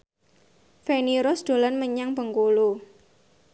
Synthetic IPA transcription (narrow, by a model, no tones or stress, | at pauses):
feniɾɔsd̪̥o̤lanməɲaŋpəŋkolu